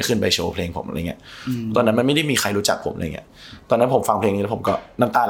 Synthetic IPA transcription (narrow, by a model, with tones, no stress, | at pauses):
kʰɯ˥˩npa˧jt͡ɕʰoː˧pʰleː˧ŋpʰo̰˨˩˦mʔŋi˦˥ɐʔt̪ɔː˧nːa˦˥nma˧nma˥˩jda˥˩jmiː˧xʰa˧jɾuː˦˥t͡ɕa˨˩k̚pʰo̰˨˩˦mʔa̰˧j̰ŋḭ˦˥t̪ɔː˧nːa˦˥npʰo˩˦mfa˧ŋpʰle˧ŋniː˦˥˦o˩˦kɔː˥˩na˥˩t̪aː˧